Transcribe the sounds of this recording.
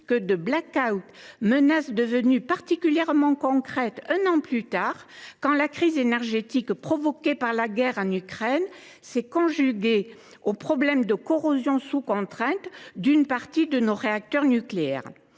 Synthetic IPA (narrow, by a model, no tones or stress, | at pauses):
kəd̪əblakawt̪mənasd̪əvənypaʁt̪ikʲyljɛʁmɑ̃kɔ̃kχɛt̪ɛ̃nɑ̃plyt̪aʁkɑ̃lakχizenɛʁʒet̪ikpχɔvɔkepaʁlaɡɛʁɑ̃nykχɛn | sɛkɔ̃ʒyɡʲe | opχɔblɛmd̪əkɔʁozjɔ̃sukɔ̃t̪χɛ̃t̪d̪ynpaʁt̪id̪ənoʁeak̚t̪œʁnykleɛ̰ʁ